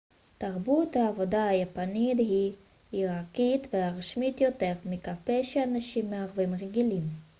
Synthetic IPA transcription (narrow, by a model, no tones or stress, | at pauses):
taʁbuthaːvo̞dahajapanidhi | iʁakitveaʁʃmitjote̞ʁmikapeʃeanaʃimːeaʁvimʁeɡilim